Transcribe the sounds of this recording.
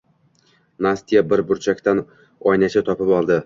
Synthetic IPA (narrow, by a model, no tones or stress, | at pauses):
nast̪ijabɪɾbʊɾt͡ʃʰakʲt̪an | ɒjnat͡ʃʰat̪ʰɒpɪpɒlˠd̪ɪ